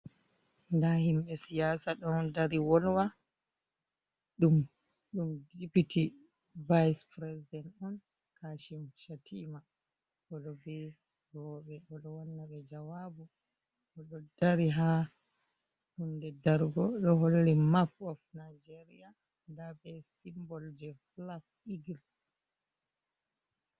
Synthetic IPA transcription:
ndahimɓɛsijasaɗɔndaɾiwɔlwa | ɗum | ɗumdipiti | vajspɾɛsidɛntɔn | kaʃimʃatʰima | ʔɔɗɔbɛ | ɡɔːɓɛʔɔɗɔwanːaɓɛd͡ʒawabu | ʔɔɗɔdaɾiɦa | ɗundɛdaɾɡɔɗɔɦollimapɔfnajd͡ʒeɾia | ndabɛsimbɔld͡ʒɛflaf | iɡil

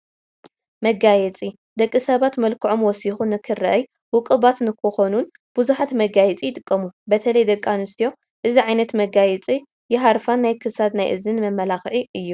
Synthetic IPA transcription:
mɐɡajɛt͡sʼi | d̪ɐkʼːɨsɐβat̪mɐlkʰɨʕo̞mwɔsixunːɨkʰɨrɐʔɐj | wɨkʼɨβat̪nɨkʰɨxonun | b̥ɨzuħat̪mɐɡajɛt͡sʼijɪt̪ʼɨkʼːɐmubɐt̪ʰɐlɐjd̪ɐkʼːanɨst̪ʰijo̞ | ʔɨziʕajnɐt̪mɐɡajɛt͡sʼi | jɪɦaɾfanːajkʰɨsad̪najʔɨzɨnmɐmːɐlaxʕiʔɨjːu

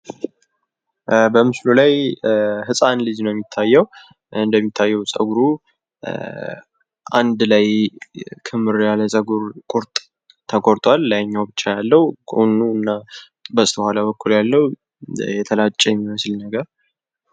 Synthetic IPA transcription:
bəmɨslulaj | hɨsʼanlɨd͡ʒnəwjɛmːit̪ʰːajːɛwu | ɨnd̪əmːit̪ʰːajːɛwsʼə̰ɡuɾu | ʔa̰nd̪laj | kʰɨmɨɾjaləsʼəɡuɾkʼuɾt̪ʼ | t̪ʰəkʼoɾt̪ʼwalːajɲːawbɨt͡ʃːajalːəwukʼonuɨnːa | bəsʼt̪ʰəhalaβəkːuljalːəhu | jɛt̪ʰəlat͡ʃʼːɛjɛmːiməslnəɡəɾ

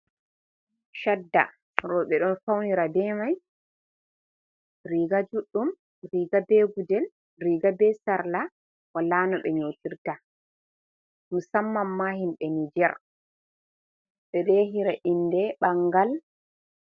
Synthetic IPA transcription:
ʃadːa̰ | ɾɔɓɛɗɔnfawniɾabɛːmaj | ɾiɡad͡ʒuɗːum | ɾiːɡabeːɡudɛl | ɾiɡabɛsaɾla | walaːnɔɓɛɲoːtiɾta | musamːamːahimɓɛnid͡ʒɛɾ | ɓɛɗɛɦiɾaʔindɛɓaŋɡal

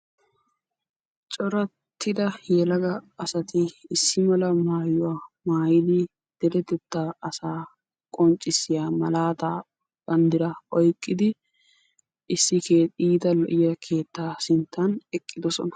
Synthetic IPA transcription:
t͡ʃʼɔɾɐ | t̪ʰːɪd̪ɐjɛlɐɡɐɐsɐt̪ɪːsːɪmɐlɐmaːjʊwaːmaːjɪd̪ɪ | d̪̥ɛɾɛt̪ːɛt̪ːaɐsaː | kʼɔnt͡ʃʼːɪsːɪjaːmɐlaːt̪aː | bɐnd̪ɪɾɐɔjkʼːɪd̪ɪ | ʔɪsːɪkeːiːd̪ɐlɔʔɪjɐkʰe̞ːt̪ːaːsɪnt̪ːɐnɛkʼːɪd̪ɔsɔ̰nɐ̥

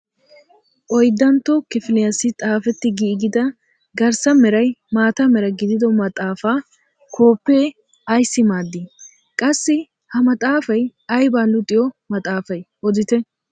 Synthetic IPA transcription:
ʔɔjd̪ːɐnt̪ːɔkɪfɪlɪjɐsɪt̪ʼaːfɛt̪ːɪɡiːɡɪd̪ɐ | ɡɐɾsɐmɛɾɐjmaːt̪ɐmɛɾɐɡɪd̪ɪd̪ɔmɐt̪ʼaːfaː | kʰo̞ːpːeː | ɐjsːɪmaːd̪ːi | kʼɐsːɪ | hɐmɐt̪ʼaːfɐjɐjbaːnlʊt̪ʼːɪjɔmɐt̪ʼaːfɐjʔɔd̪ɪt̪ɛ

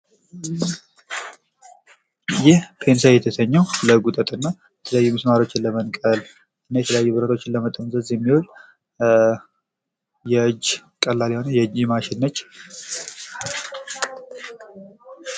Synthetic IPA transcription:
jɪhpʰe̞nsajɛt̪ʰəsəɲːɛwləɡut̪ʼət̪ʼɨnːa | bɛt̪ʰələjajːumɨsmaɾo̞t͡ʃːɪnləmənkʼəl | ʔɨnːajɛt̪ʰələjajːubəɾəɾo̞t͡ʃːɪnləmət̪ʼəmzəzjɛmːiwol | jɛɨd͡ʒːkʼəlːaliho̞nəjɛd͡ʒɛmaʃɪnːət͡ʃː

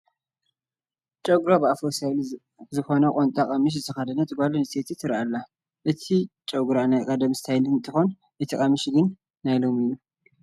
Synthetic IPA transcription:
t͡ʃʼɐɡɾobɨafosajl | zɨxo̞nɐkʼont̪ʼakʼɐmɨʃ̬zɨt̪ʰɐxad̪ɐnɐt̪ʼɨɡʷalɨnɨsʼet̪ʰit̪ʰɨɾalːa | ʔɨt̪ʰit͡ʃʼɐɡɾanajkʼɐd̪ɐmsɨ̥t̪ʰajlɨɨnt̪ʼɨxo̞n | ʔɨt̪ʰikʼɐmɨʃɡɨnː | ajlo̞mɨjːu

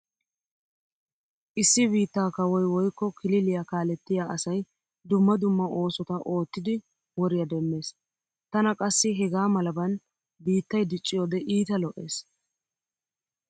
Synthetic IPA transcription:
ʔɪsːɪbiːt̪ːaːkɐwɔjwɔjkːɔkʰɪlɪlɪjakaːlɛt̪ːɪjaːʔɐsɐj | d̪ʊmːɐd̪ʊmːɐʔo̞ːsɔt̪ɐʔo̞ːt̪ːɪd̪ɪ | wɔɾɪjɐd̪ɛmːe̞ːs | t̪ɐnɐkʼɐsːɪɦɛɡaːmɐlɐbɐn | biːt̪ːɐjd̪ɪt͡ʃʼːɪjoːd̪ɛʔiːt̪ɐlɔʔe̞̰ːs

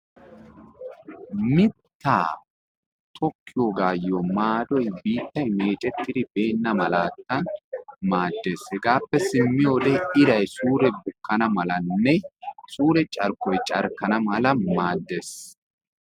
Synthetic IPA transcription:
mɪt̪ːa̰ː | t̪ʰʼɔkːɪjoɡaːjːɔmaːd̪ɔjbiːt̪ːɐjmeːt͡ʃʼɛt̪ːɪd̪ɪbe̞ːnːɐmɐlaːt̪ːɐnmaːd̪ːe̞ːshɛɡaːpːɛsɪmːɪjoːd̪ɛɪd̪ɐjsuːɾɛbʊkːɐnɐmɐlɐnːɛsuːɾɛt͡ʃʼɐɾkɔjt͡ʃʼɐ̰ɾkːɐnɐmɐlɐmaːd̪ːes

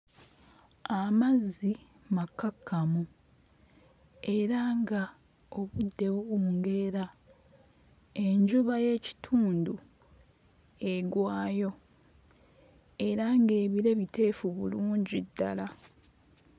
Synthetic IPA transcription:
amazi | makːakʰːamu | e̞ɾaŋɡa | o̞βudːe̞wuβuːŋɡe̞ɾa | e̞ɲɟuβaje̞ːci̥tʰuːndu | e̞ɡwaːjo̞ | e̞ɾaŋɡe̞ːβiɾe̞βite̞ːfuβṵluːɲɟidːala

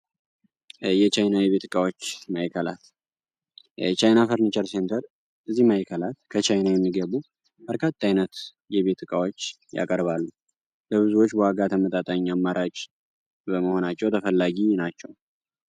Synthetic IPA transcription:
jɛt͡ʃajnajɛβe̞t̪ɨkʼawo̞t͡ʃːmajkʰəla̰t̪ | t͡ʃajnafəɾnit͡ʃəɾse̞nt̪ʰəɾ | ɨzːihmajkʰəlat̪kʰət͡ʃajnajɛmːiɡəβu | b̥əɾkʰat̪ʼːajnət̪ | jɛβe̞t̪ʰɨkʼawo̞t͡ʃː | ja̰kʼəɾβalːu | ləβɨzuwo̞t͡ʃːbəwaɡat̪ʰəmət̪ʼat̪ʼaɲːamːaɾʔat͡ʃʼ | bəməho̞nat͡ʃːɛwt̪ʰəfəlːaɡinat͡ʃːɛw

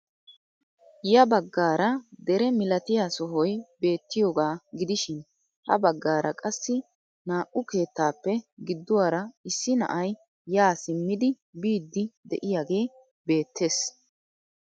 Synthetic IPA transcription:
jɐbɐɡːaːɾɐd̪ɛɾɛmɪlɐt̪ɪjaːsɔɦɔjbe̞ːt̪ːɪjoːɡaːɡɪd̪ɪʃɪn | hɐ̰bɐɡːaːɾʔɐkʼɐsːɪ | naːʔʊke̞ːt̪ːaːpːɛɡɪd̪ːʊwaːɾɐɪsːɪnɐ̰ʔɐj | jaːsɪmːɪd̪ɪ | biːd̪ːɪd̪ɛ̰ʔɪjaːɡe̞ː | be̞ːt̪ʰːe̞ːs

